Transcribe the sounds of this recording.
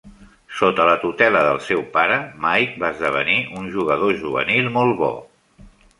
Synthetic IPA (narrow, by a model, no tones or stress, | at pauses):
sot̪ələt̪ut̪ɛləðəlˠsɛwpaɾəmajk̚baəzðəβ̞ə̰niʔunʒuɣəðoʒuβə̰nilˠmolˠβɔ̰